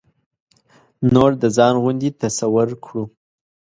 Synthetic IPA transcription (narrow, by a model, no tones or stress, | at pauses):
noɾd̪əzɑnɣund̪it̪asawʊɾkʰɽu